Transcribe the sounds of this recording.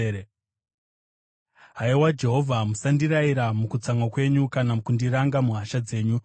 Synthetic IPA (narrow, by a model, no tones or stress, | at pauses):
ɦaiwad͡ʒe̞ɦo̞vʱamusandiɾaiɾamukut͡saŋakwe̞ɲukanamkundiɾaŋɡamuɦaʃad͡ze̞ːɲu